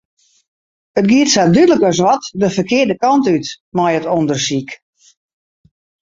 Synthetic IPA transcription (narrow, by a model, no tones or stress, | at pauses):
ətɡiətsadydələkəs̬ʋɔtdəfərkɪərdəkɔntyt | mɔjətondərsik